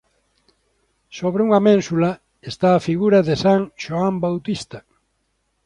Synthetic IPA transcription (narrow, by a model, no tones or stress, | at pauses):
soβɾeuŋɐmẽnsulɐ | est̪aːfiɣuɾɐðesaŋʃoambawt̪ist̪ɐ